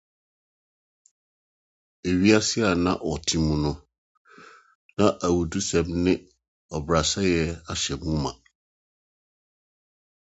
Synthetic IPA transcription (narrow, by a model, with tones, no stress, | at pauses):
e˨ɥi˦a˦sɪ˦a˨nã˦ʔɔ˨tʰĩ˦mũ˨nʊ̃˦ | nã˦ʔa˨wu˨du˦sɛ̃˨mnɪ̃˦ | ɔ˨bɾa˨sa˦jɛ˦a˨ɕɛ˨mũ˦mã˨